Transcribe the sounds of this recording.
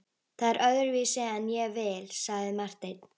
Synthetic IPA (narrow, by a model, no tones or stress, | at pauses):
θaðɛɾʔœðʏɾvisɪanjɛvɛːlsaɣðɪmar̥t̪ejt̪